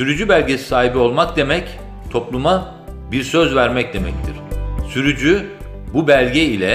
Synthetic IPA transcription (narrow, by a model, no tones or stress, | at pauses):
syɾyd͡ʒybælʲɟe̞si̥saːɦibio̞lˠmak̚d̪e̞mɛc | t̪ʰo̞plˠuma | biɾsø̞zvæɾmɛc̚d̪e̞mɛ̰c̚t̪ʰiɾ̥syɾyd͡ʒy | bubælʲɟɛilʲɛ